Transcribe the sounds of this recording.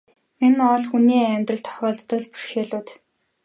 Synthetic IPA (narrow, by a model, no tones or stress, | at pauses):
enɔɮxuniːæmʲt̪rə̆ɬt̪ʰɔ̥χɔːɮt̪ːɞ̆ɮpu̥rʃeːɮʊːt̪